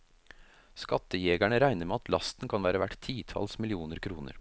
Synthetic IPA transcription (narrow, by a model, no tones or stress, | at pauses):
skɑt̪əjeːɡæɳəɾæɪnəɾmeːɑt̪ʰlɑst̪n̩kʰɑnʋæːɾəʋæʈt̪ʰiːt̪ʰɑ̰lsmɪlɪuːnəɾkʰɾuːnə̰ɾ